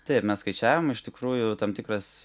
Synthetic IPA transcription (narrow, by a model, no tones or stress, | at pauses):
t̪ʲɛɪpmʲɛsskɐɪt͡ʃʲæːʋʲomɪʃt̪ʲɪkɾuːjʊt̪ɐmt̪ʲɪkrɐs